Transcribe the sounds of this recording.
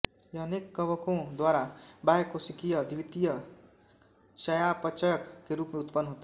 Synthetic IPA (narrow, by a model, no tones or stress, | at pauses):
jɐəneːkːəʋəkõd̪waːɾabaːjkosɪkijəd̪ɪʋɪt̪ijə | ʃəjapət͡ʃəjəkːeɾuːpmẽʊt̪pənːɦoːt̪a